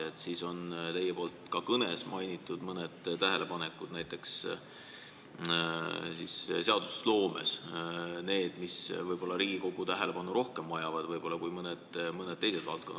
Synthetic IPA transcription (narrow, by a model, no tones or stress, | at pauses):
et̪siso̞nt̪e̞jːepo̞ːlt̪kɑkɤne̞smɑjnʲit̪ːˑud̪̥mɤned̪̥t̪ːæɦe̞lʔe̞pɑne̞kːˑud̪̥næjt̪ːˑe̞ks | sisse̞ɑd̪u̥slo̞ːme̞̰s | ne̞ːd̪̥misvɤjb̥o̞lːɑɾiːɡ̥iko̞ɡ̥ut̪æɦe̞le̞pɑnuɾo̞hkemːɑjɑvɑd̪̥vɤjbo̞lːɑkujmɤned̪̥mɤned̥̪t̪ːejse̞d̪̥vɑ̰lt̪̚ko̞nː